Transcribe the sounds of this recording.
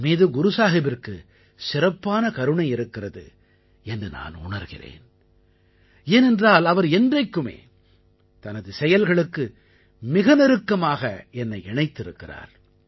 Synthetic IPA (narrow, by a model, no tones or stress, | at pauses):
meːðɯɡʊɾʊsaːɣɪbɪrkɯ | sɪrɐpːaːnɐkɐɾɯɳɐɪɪɾɯkːɪrɐðɯ̰ | ɛndrɯna̰ːnʊ̰ɳɐɾɣɪ̰rḛːn | eːnɛndraːlɐʋɐɾɛndrɐɪkːɯmḛː | t̪ɐnɐðɯsɛjɐlɣɐɭɯkːɯ | mɪɣɐnɪɾɯkːɐmaːɣɐɛnːɐɪɛɳɐɪt̪ːɪɾɯkːɪra̰ːɾ